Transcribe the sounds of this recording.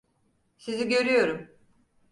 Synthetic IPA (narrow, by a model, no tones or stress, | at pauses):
siziɟø̞ɾyjo̞ɾum